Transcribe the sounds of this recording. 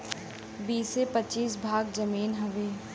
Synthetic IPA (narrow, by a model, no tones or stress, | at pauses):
biːsepətːt͡ʃiːs̬bʱaːɡzəmiːnɦɐʋeː